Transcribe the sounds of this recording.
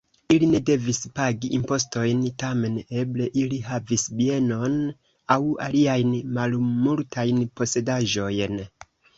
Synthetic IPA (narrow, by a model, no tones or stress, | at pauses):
iline̞de̞vispaɡiʔimpo̞s̬to̞jntame̞ne̞ble̞ʔilihavisbie̞no̞n | awa̰liajnmalmultʰajnpo̞se̞daʒo̞jn